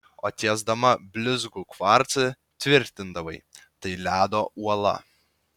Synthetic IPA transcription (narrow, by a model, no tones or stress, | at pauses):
oːt̪ʲiːzd̪ɐmɐbʲlʲʊzɡʊkʋɑɾt̪sɨ | t̪ʲʋʲɪɾʲt̪ʲɪnd̪ɐʋɐɪt̪ɐɪlʲæːd̪oːʔuɔlˠɐ̰